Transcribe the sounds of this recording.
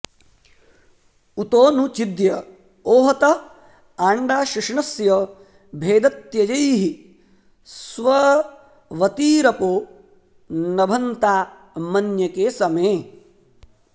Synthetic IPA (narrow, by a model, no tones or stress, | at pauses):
ut̪oːnut͡ʃid̪jɐ | oːɦɐt̪ɐ | aːɳɖaːʃɪʂɳɐsjɐ | bʱeːd̪ɐt̪jɐd͡ʒɐjɦi | sʋɐ | ʋɐt̪iːɾɐpoː | nɐbʱɐnt̪aː | mɐnjɐkeːsɐmeː